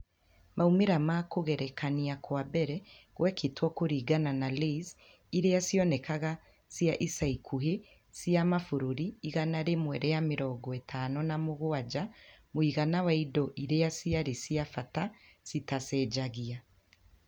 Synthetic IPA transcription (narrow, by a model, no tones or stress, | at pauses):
maumeɾamakoɣɛɾɛkʰaniakwabɛɾɛɣwɛkʰetwɔkoɾiːɡananaleiz | iɾeasiɔnɛkaɣa | sjaʔisaikʰuɦe | siamafoɾoɾiiɣanaɾemwɛɾɛjameɾɔːɡɔetʰanɔnamoɣoad͡ʒamoiɣanawaidɔʔiɾeasiaɾesiafata | sitasɛːd͡ʒaɣia